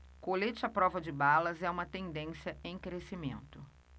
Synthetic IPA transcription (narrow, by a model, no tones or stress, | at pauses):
kolet͡ʃɪɐpɾɔvɐd͡ʒɪbalɐzɛũmɐt̪ẽnd̪ẽsjɐẽj̃kɾesimḛ̃nt̪ʊ